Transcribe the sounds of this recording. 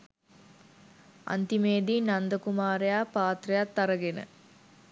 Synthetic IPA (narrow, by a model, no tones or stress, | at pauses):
a̰nt̪imeːd̪iːnand̪əkumaːɾejaːpaːt̪rejat̪ːaɾəɡenə̰